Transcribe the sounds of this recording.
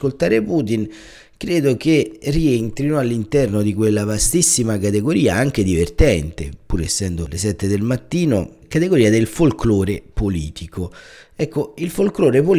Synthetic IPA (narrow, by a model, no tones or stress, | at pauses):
kolt̪aːɾepuːt̪in | kɾeːd̪ok̟erient̪ɾinoalːint̪ɛrnod̪ikwelːavast̪isːimakat̪eɡoɾiːaaŋk̟ed̪ivert̪ɛnt̪ḛpuːɾesːɛnd̪olesɛt̪ːed̪elmat̪ːiːno̰kat̪eɡoɾiːad̪elfolkloːɾepoliːt̪ikoɛkːoilfolkloːɾepol